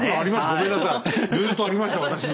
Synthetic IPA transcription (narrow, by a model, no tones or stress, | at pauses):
aaɾʲimasɨɡomẽ̞nːasãd͡zɨːt̪ːo̞aɾʲimaɕi̥t̪aβat̪aɕin